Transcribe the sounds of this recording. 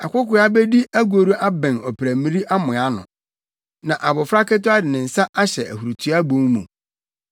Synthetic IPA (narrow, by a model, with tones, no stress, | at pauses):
a˨kʷʊ˦kʊ˨˦a˦bɛ˦di˦æ˦ɡu˨o˨ɾu˦ʔa˦bɛ̃˨nɔ˨pʰɾæ˨mĩ˦ɾi˦ʔa˦mʊ̃˨a˦nʊ̰̃˨ | nã˨ʔa˨bʊ˨fɾa˦kɛ˦tʊ˦a˦dɪ˨nɪ̃˨n̩˨sa˦ʔa˦ɕɛ˨ʔæ̰˨hu˨ɾu˨tʰu˦a˦bõ˦ŋmũ˨